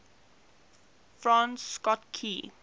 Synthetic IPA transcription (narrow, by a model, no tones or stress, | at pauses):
fɹãnsːkɔtkʰi